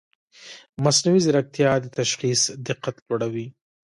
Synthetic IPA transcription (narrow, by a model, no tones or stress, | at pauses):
masnawizɪɾak̚t̪jɑd̪ət̪aʃxisd̪ɪqːat̪lwaɽawi